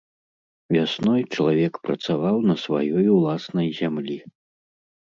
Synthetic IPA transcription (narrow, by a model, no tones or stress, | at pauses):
vʲasnɔjt͡ʂɐlˠavʲɛkpɾɐt̪savawnɐsva̰jɔjulˠasnɐjzʲamlʲi